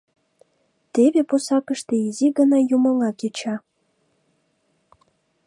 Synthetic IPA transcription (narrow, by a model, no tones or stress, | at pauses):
t̪eβeposɑkəʃt̪eiziɣənɑjuməŋɑket͡ɕɑ